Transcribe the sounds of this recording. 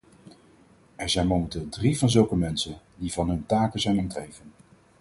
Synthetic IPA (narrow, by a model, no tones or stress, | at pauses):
ɛɹzɛjnmowmɛntɪːlˠdrivɑnzɵlˠkəmɛnsən | divɑnɦɵntaːkəzɛjnɔmtrejvən